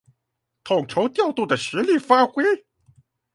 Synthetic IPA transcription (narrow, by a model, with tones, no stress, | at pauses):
t̪ʰʊ˨˩ŋʈ͡ʂʰo˧˥ʊt̪jɑ˥˧ʊt̪u˥˩d̪ə˩ʂɻ̩˧˥li˥˩fa˥xwe˥ɪ